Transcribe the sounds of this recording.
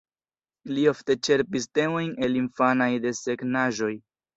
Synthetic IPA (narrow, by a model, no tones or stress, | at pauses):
lio̞fte̞t͡ʃe̞ɾpiste̞mo̞jne̞linfanajde̞se̞ɡnaʒo̞j